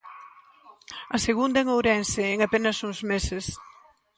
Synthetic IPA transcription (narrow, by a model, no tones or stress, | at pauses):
ɐseɣund̪ɐeŋowɾɛnseɛŋapenɐsuŋzmesɪs